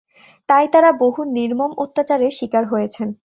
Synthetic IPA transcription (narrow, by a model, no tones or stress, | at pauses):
t̪ajt̪aɾaboɦuniɾmomot̪ːat͡ɕaɾeʃikaɾɦojet͡ɕʰen